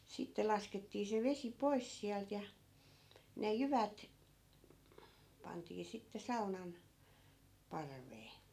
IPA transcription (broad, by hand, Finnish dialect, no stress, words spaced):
sitːe lɑsketːiː se ʋesi pois siælt jɑ ne jyʋæt pɑntiː sitːe sɑunɑn pɑrʋeː